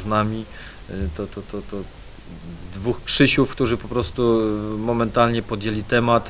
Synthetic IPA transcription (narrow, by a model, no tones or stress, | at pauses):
znamʲi | t̪ɔt̪ɔt̪ɔt̪ɔ | d̪vuxkʂɘɕufkt̪uʐɘpɔpɾɔst̪umɔmɛnt̪alɲɛpɔd̪jelʲit̪ɛmat̪